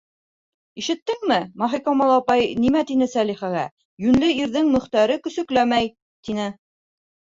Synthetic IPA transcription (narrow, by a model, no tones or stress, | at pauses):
iʃɘ̆t̪ːɘŋmɘmɑχikɑmɑlˠɑpɑjnimæt̪inɘsæliχæɣæ̰ | jʉnlɘiɾðɘŋmɵ̆χt̪æɾɘkɵ̆sɵ̆klæmæj | t̪inɘ